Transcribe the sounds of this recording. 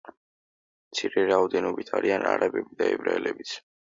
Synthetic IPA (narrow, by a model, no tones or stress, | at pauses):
mt̪sʰiɾɛɾaɔd̪ɛnɔbit̪ʰaɾianaɾabɛbid̪aɛbɾaɛlɛbit̪sʰ